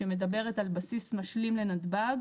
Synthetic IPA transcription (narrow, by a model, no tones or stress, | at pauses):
eme̞d̪abe̞ʁet̪albasismaʃlimlenad̪baɡ